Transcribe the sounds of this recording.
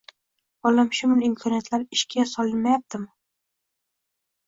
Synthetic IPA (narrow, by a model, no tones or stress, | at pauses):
ɒlamʃʊmɪlɪmkʰɒnjat̪ʰlaɾɪʃkʲʰasɒlɪnmajap̚t̪ʰɪm